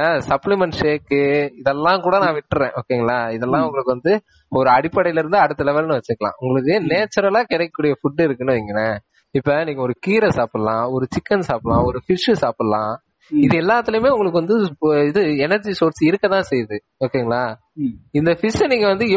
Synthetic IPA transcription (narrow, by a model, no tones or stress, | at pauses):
asɐplɪmɛɳʈʂeːkːɯɪðɛlːãːkuːɽɐnãːʋɪʈːɯɾẽːʔo̰ːkːeːŋɡɐɭaːɪðɛlːãːʊ̃ŋɡɐɭɯkːɯʋɐnd̪ɯ | ɔɾɯɐɽɪpːɐɽɐjɪlɪɾɯnd̪ɯɐɽɯt̪ːɐlɛʋɐlnɯʋɐt͡ʃːɯɾkːɐɭã̰ːʊŋɡɐɭɯkːɯneːt͡ʃːɐɾɐlaːkɪɽɐɛkːɐkːuːɽɪjɐfʊɖːɪɾɯkːɯnɯʋiŋɡɐnɐ | ɪpːɐniːŋɡɐɔɾɯkiːɾɐsaːpɐlãːɔɾɯt͡ʃɪkːɐnsaːplãːɔɾɯfɪʂɯsaːpɐlãː | ɪðɯɛlːaːt̪ːɪlɯmeːʊŋɡɐɭɯk̬ːʋɐnd̪ɯɪðɯɛnɐɾd͡ʒisoːɾsɪɾɯkːɐt̪ãːsɛjðɯ | oːkːeːŋɡɐɭaː | ɪnd̪ɐfɪʂniːŋɡɐʋɐnd̪ɯ